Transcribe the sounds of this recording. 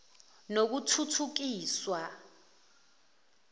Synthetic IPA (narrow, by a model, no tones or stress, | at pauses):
nok̬utʰutʰuk̬iːswa